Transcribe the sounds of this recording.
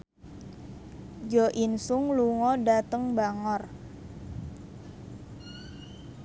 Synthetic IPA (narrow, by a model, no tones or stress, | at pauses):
d͡ʒɔʔinsʊŋluŋɔdat̪əŋbaŋɔr